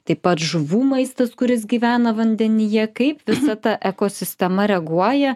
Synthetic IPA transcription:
t̪ɐɪpɐt̪ʒʊʋuːmɐɪst̪ɐskʊɾʲɪs̬ɡʲiːʋʲæːnɐʋɐnʲd̪ʲɛnʲɪjɛkɐɪpʋʲɪsɐt̪ɐʔɛkoːsʲɪsʲt̪ʲɛmɐɾʲɛɡuɔjɛ

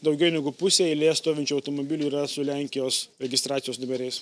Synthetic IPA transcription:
d̪ɒʊɡʲɛʊnʲɛɡʊpʊsʲeɪlʲeːst̪oːʋʲɪnʲt͡ʃʲuːɒʊt̪oːmobʲɪlʲuiːɾɐsʊlʲæˑŋʲkʲɪjoːsɾʲɛɡʲɪst̪ɾɑːt̪ʲɪjoːsnʊbʲɛɾʲɛɪs

